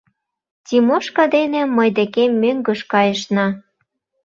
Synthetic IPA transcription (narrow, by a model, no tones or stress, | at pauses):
tʲimoʃkɑd̪enĕmɤjd̪ĕkemːøŋɡə̆ʃkɑjəʃnɑ